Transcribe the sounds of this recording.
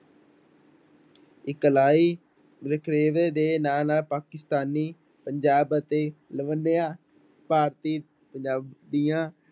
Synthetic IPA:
ɪkːəlaːiː | ɾəkʰɾeːʋeːd̪eːnaːlnaːlpaːkɪst̪aːniː | pəɲd͡ʒaːbət̪eːləʋənːejãː | paːɾt̪iː | pəɲd͡ʒaːbd̪ijãː

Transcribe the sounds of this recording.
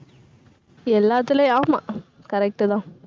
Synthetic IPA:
ɛlːaːt̪ːɪleaːma | kɐɾɛk̚ʈɯt̪ãː

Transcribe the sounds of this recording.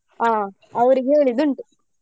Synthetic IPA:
aː | ɐʋɐɾuɦeːɭid̪uɳʈu

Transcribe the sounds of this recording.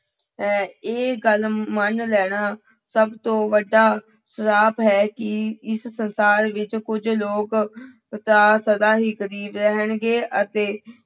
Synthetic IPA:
eːɡəlmənlɛːɽ̃aː | səbt̪õːʋəɖːaː | səɾaːpɦɛːkɪɪssənsaːɾʋɪt͡ʃkʊd͡ʒloːk | t̪aːsəd̪aːɦiːkəɾiːbɾɛɦəɳɡeːʔət̪eː

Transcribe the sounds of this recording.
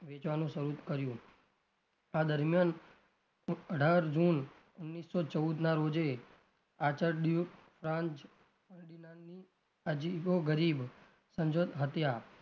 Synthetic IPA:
ʋet͡ʃʋanũʃəɾut̪kəɾjũ | ad̪əɾmjan | əɖʱaɾd͡ʒun | ʊnːisːot͡ʃəud̪naɾod͡ʒe | at͡ʃəɾɖuʈfɾãnt͡ʃ | kəɳɖinaːi | əd͡ʒiɡoɡəɾib | sə̃ɲd͡ʒod̪ɦət̪ja

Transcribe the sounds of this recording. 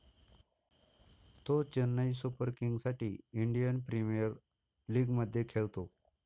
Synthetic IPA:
t̪ot͡ɕənːəisupəɾkiŋɡsaʈḭːiɳɖijənpɾimijəɾ | liːɡməd̪ʱːjekʰeɭt̪o

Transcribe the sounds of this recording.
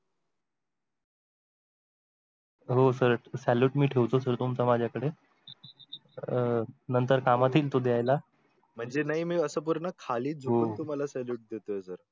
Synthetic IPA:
ɦosəɾəʈsæljuːʈmiːʈʰeʋt̪osəɾt̪umt͡samad͡ʑʱjakəɽe | nənt̪əɾkamat̪iːlt̪od̪eajla | m̤əɳd͡zenaɦimiːəsəːpuɾɳəkʰaliːd͡zʱoɦont̪um̤alasæljuːʈ̚d̪et̪ojesəɾ

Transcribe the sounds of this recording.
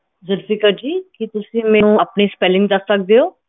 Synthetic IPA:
zəɾfikəɾd͡ʒiːkɪt̪ʊsĩːmɛ̃ːnũːaːpniːspɛlɪ̃ŋɡ̚d̪əsːək̚d̪eːɦoː

